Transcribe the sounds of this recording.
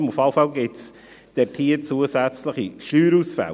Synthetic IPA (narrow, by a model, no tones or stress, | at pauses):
mʊfɑʊfɑwɡɪts | d̥ɛɾtʰiːət͡suəsæt͡sləχiʃyːɾusfɛ̰l